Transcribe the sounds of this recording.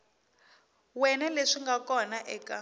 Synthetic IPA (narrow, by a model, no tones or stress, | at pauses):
wɛnɛleʂiŋɡakɔnaʔɛːka